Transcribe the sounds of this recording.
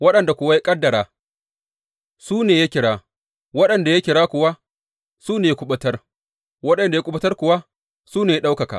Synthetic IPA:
wɐ˦ɗɐ˨nda˨kʷʊ˨wa˦ja˦kʼɐ˦dːɐ˨ɽaː˨ | suː˦neː˨ja˦kʲɪ˨ɽaː˦ | wɐ˦ɗɐ˨nda˨ja˦kʲɪ˨ɽaː˦kʷʊ˨wa˦ | suː˦neː˨jkʷʊ˦ɓɐ˦tɐ˦r | wɐ˦ɗɐ˨nda˨ja˦kʷʊ˦ɓɐ˦tɐ˦rkʷʊ˨wa˦ | suː˦neː˨ja˦ɗa˦wkɐ˨ka̰˨

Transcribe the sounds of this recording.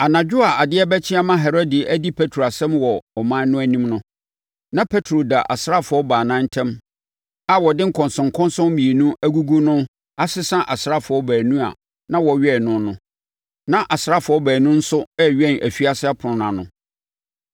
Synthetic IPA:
a˨nã˨d͡ʑᶣʊ˦a˨a˨dɪ˦ɛ˦bæ˦t͡ɕʰɪ̃˦a˦mã˦ɦɛ˨ɾo˦di˨ʔæ˦di˦pʰe˦tʰɾo˨a˨sɛ̃˦mwɔ˨ɔ˨mãː˦nʊ̃˦æ˦nĩ˦mnʊ̃˦ | nã˦pʰe˦tʰɾo˨da˨ʔa˨sɾa˦fʊ˨ɔ˦baː˨nã˦n̩˦tʰɛ̃˦m | a˨wɔ˨dɪ̃˦ŋ̩˦kʰɔ̃˨nsʊ̃˨ŋ˨kʰɔ̃˦n˦sʊ̃˦mmĩ˨e˨nũ˦æ˦ɡu˦ɡu˦nʊ̃˦ | a˦sɪ˦sã˦ʔa˨sɾa˦fʊ˨ɔ˦bæː˨nũ˦a̰˨ | nã˦wɔ˨ɥɛ˦˨nʊ̃˦nʊ̃˦ | nã˦ʔa˨sɾa˦fʊ˨ɔ˦bæː˨nũ˦n̩˦sʊ˦ɛ˦ɥɛ˦˨nʔæ̰˨fi˦a˦sɪ˦a˦pʰʊ˨nʊ̃˨nã˨nʊ̰̃˨

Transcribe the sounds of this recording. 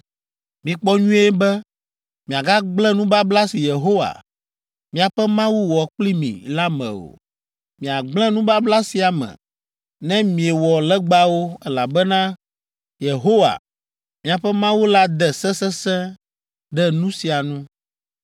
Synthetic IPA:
mĩ˨k͡pɔ˦ɲũ˦ɛ˦bɛ˦ | mĩ˨a˨ɡa˦ɡ͡blɛ̃˦nũ˦ba˦bla˦si˨je˨ɦo˦wa̰˨ | mĩ˨a˨ɸɛ˦mã˦wu˦wɔ˨k͡pli˦mḭ̃˨la˦mɛ̰̃˨o̰˨ | mĩ˨a˨ɡ͡blɛ̃˦nũ˦ba˦bla˦si˨a˨mɛ̰̃˨ | nɛ̃˦mĩ˨e˨wɔ˨lɛ˦ɡ͡ba˦wo˦ɛ˦la˨bɛ˦nã˦ | je˨ɦo˦wa̰˨ | mĩ˨a˨ɸɛ˦mã˦wu˦la˦d̪ɛ˨sɛ˦sɛ˦sɛ̃˦ | ɖɛ˦nũ˦si˨a˨nũ˦

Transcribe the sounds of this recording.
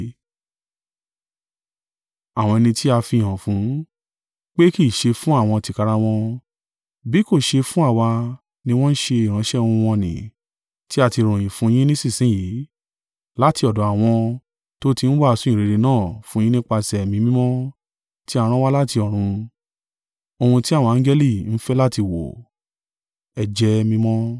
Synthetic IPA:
a˦˨w̃ɔ̃˧ɛ˧nĩ˧ti˦a˧fi˧i˨ɦã˨fũ˨˦ | k͡pe˦ki˦˨ʃe˧fũ˦a˦˨w̃ɔ̃˧ti˨ka˧ɾa˧w̃ɔ̃˧ | bi˨˦ko˦˨ʃe˧fũ˦a˦˨wa˧ | nĩ˧w̃ɔ̃˦n̩˦ʃe˧i˨ɾ̃ã˨˦ʃɛ̃˦˧ũ˧w̃ɔ̃˧nḭ̃˨ | ti˦a˧ti˧ɾ̃ũ˨j̃ĩ˨fũ˨˦j̃ĩ˦nĩ˦sĩ˦˨sĩ˨˦ji˨˦ | la˦ti˧ɔ˨dɔ̃˨˦a˨w̃ɔ̃˧ | to˦ti˧n̩˦wa˦a˧sũ˦ĩ˦˨ɾe˨˧ɾe˧nãː˦˨fũ˦j̃ĩ˦nĩ˦k͡pa˧sɛ˨mĩ˧mĩ˦mɔ̃˦ | ti˦a˧ɾ̃ã˦wa˦la˦ti˧ɔ˨ɾ̃ũ˧ | o˧hũ˧ti˦a˦˨wɔ̃˧ã˨n˦d͡ʒɛ˦li˦˨n̩˦fɛ˦la˦ti˧wo̰˨ | ɛ˧d͡ʒɛ˧mĩ˦mɔ̃˦

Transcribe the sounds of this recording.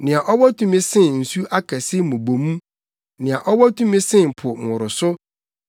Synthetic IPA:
nɪ̃˨a˨ʔɔ˦wɔ˦tʰũ˨mĩ˦sɪ̃˦n̩˨su˦ʔa˦kʰæ˨sɪ˦mʊ̃˨bo˨mũ˦ | nɪ̃˨a˨ʔɔ˦wɔ˦tʰũ˦mĩ˦sɪ̃˦˨m˨pʰʊ˨ŋʊ̃˨ɾʊ˨sʊ˦

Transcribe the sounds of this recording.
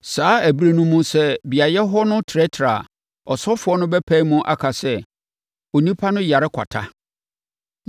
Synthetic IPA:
saː˨˦æ˨bi˦ɾe˦nʊ̃˦mũ˦sɛ˦bi˨a˨jɛ˦ɦɔ˦nʊ̃˦tʰɛ˦tʰɾa˨ | ɔ˨sɔ˦fʊ˨˦ɔ˦nʊ̃˦bɛ˦pʰæ̃˦i˦mʊ̃˦ʔa̰˦kʰa˨sɛ˦ | o˨nĩ˦pʰa˦nʊ̃˦ja˨ɾɪ˦kʷʰa̰˨tʰa˦

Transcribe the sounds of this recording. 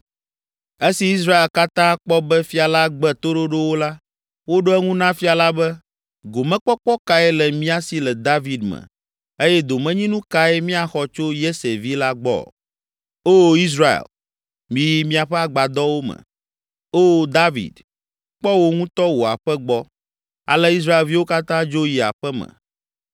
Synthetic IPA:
e˦si˨i˦s̬ɾa˦e˨lka˦t̪ã˦k͡pɔ˦bɛ˦fi˦a˨la˦ɡ͡bɛ˦t̪o˦ɖo˦ɖo˦wo˦la˦ | wo˦ɖo˦ɛ˦ŋũ˦nã˦fi˦a˨la˦bɛ˦ | ɡo˨mɛ̃˦k͡pɔ˦k͡pɔ˦ka˨˦ɛ˦lɛ˨mĩ˦a˦si˨lɛ˨d̪a˦vi˨d̪mɛ̰̃˨ | e˦jɛ˦d̪o˨mɛ̃˦ɲĩ˦nũ˦ka˦ɛ˦mĩ˦a˨xɔ˨t͡ʃo˦je˦se˨vi˦la˦ɡ͡bɔ̰˦˨ | o˦i˦s̬ɾa˨ḛ˨l | mĩ˨˦ji˦mĩ˦a˨ɸɛ˦a˦˨ɡ͡ba˨d̪ɔ˦wo˦mɛ̰̃˨ | o˦d̪a˦vḭ˨d̪ | k͡pɔ˦wo˦ŋũ˦t̪ɔ˦wo˨a̰˨ɸɛ˦ɡ͡bɔ˦ | a̰˨lɛ˦i˦s̬ɾa˦e˨lvi˦wo˦ka˦t̪ã˦d͡ʒo˦ji˨a̰˨ɸɛ˦mɛ̰̃˨

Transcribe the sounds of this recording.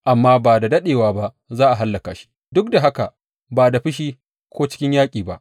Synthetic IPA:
ʔa˨mːaː˦baː˨da˨dɐ˦ɗeː˨waː˦ba˦ʔ | zaː˦ʔa˨ɦa˦lːɐ˨kaː˨ʃi̥˦ | dʊ˦k̚da˨ɦa˦ka˨ | baː˨da˨ɸɪ˦ʃiː˦ | kʷoː˦t͡ʃɪ̥˦kʲɪ˦ɲjaː˦kʲʼiː˨ba̰˦ʔ

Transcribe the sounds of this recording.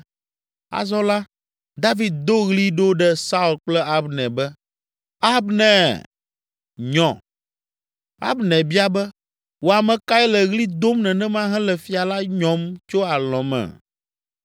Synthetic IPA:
a̰˨zɔ˦la˦ | d̪a˦vi˨d̪̚d̪o˦ɣli˦ɖo˦ɖɛ˦sa˦u˨lk͡plɛ˦a˦bnɛ̃˨bɛ˦ | a˦bnɛ̃˨ | ɲɔ̃˨ | a̰˦bnɛ̃˨bi˦a˨bɛ˦ | wo˨a˨mɛ̃˨ka˦ɛ˦lɛ˨ɣli˦d̪o˦mnɛ̃˨nɛ̃˦mã˦ɦɛ̃˦lɛ˨fi˨a˨la˦ɲɔ̃˨mt͡ʃo˦a˨lɔ̃˨mɛ̰̃˨

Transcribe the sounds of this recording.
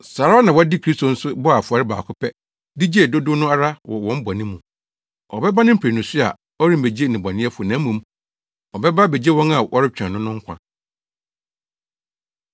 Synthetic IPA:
saː˨ɾa˦nã˨wɔ˦dɪ˦kʰɾi˦sto˨n̩˦sʊ˦bɔ˦a˨fa˨ɾɪ˦ba̰ː˨kʰʊ˦pʰɛ˦ | di˦d͡ʑi˦e˨dʊ˦dʊ˦nʊ̃˦a˦ɾa˦wɔ˨wɔ̃˦m˦bɔ˨nɪ̃˦mũ˨ | ɔ˨bɛ˦ba˦nɪ̃˦m̩˦pʰe˨nʊ̃˨sʊ˦a̰˨ | ɔ˦ɾĩ˦m˨be˨d͡ʑe˦nɪ̃˨ba˨nɪ̃˦ɛ˦fʊ˨nã˦mũ˨m | ɔ˨bɛ˦ba˦be˨d͡ʑe˦wɔ̃˦na˨ʔɔ˦ɾɪ˦t͡ɕᶣã˨nʊ̃˦nʊ̃˦ŋ̩˦kʷʰã̰˨

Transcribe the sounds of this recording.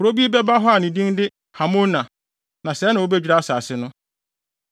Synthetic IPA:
kʊ˨ɾo˦bi˦e˦bɛ˦ba˦ɦɔ˦a˨nĩ˨dĩ˦ndɪ˦ | ha˨mõ˦nã˨ | nã˨sɛ˨˦nã˨wo˦bɛ˦d͡ʑᶣɾa˦a˦saː˨sɪ˦nʊ̃˦

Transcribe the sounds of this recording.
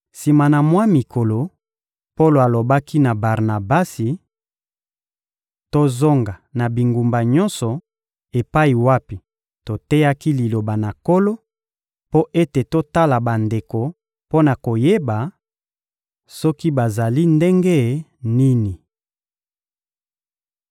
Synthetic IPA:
si˨ma˨na˨mwa˦mi˨kʰo˨lo˨ | po˦lo˨a˨lo˨ba˦ki˦na˨ba˨ʁna˨ba˦si˨ | to˦zo˦ŋɡa˨na˨bi˨ŋɡu˨mba˨ɲɔ˦nsɔ˨ | e˨pa˦i˨wa˦pi˨ | to˨tɛ˦ja˦ki˦li˨lo˨ba˨na˨ko˦lo˦ | po˦ʔe˦te˨to˦ta˦la˨ba˨nde˨ko˨ | po˦na˨ko˨je˦ba˨ | sɔ˦ki˦ba˨za˨li˦nde˦ŋɡe˦˨ni˦ni˨

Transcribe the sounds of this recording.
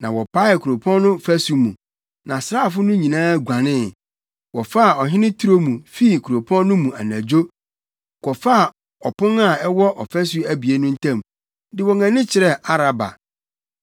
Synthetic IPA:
nã˨wɔ˨pa˦ɪ˨kʰu˨ɾo˨pʰɔ̃˦n˦nʊ̃˦fæ˦su˨mũ˨ | nã˨sɾaː˦˨fʊ˦nʊ̃˦ɲĩ˨nãː˦˨ɡʷa˨nɪ̃˦ | wɔ˨fa˦˨ɔ˨ɦɪ̃˦nɪ̃˦tʰu˦ɾo˦mũ˨fi˦˨kʰu˨ɾo˨pʰɔ̃˦nnʊ̃˦mũ˨a̰˨næ̃˨d͡ʑo˦ | kʰɔ˨fa˦˨ | ɔ˨pʰʊ̃˦na˨ɛ˦wɔ˦ʔɔ˨fæ˦s̬u˦æ˦bi˨e˦nʊ̃˦n̩˦tʰã˦˨m | dɪ˨wɔ˨ŋã˨nɪ̃˦t͡ɕʰɪ˨ɾɛ˦a˦ɾa˨ba̰˨

